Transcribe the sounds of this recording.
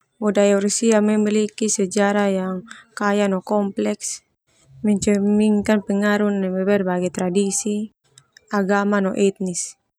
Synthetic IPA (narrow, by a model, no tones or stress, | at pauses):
ɔdajursiamɛmɛlikisɛd͡ʒaɾajaŋkajanɔkɔmplɛks | mɛɲt͡ʃɛmiŋkanpɛŋaɾunːɛbɛbɛrbaɡɛt̪ɾadisi | aɡamanɔʔɛt̪̚nis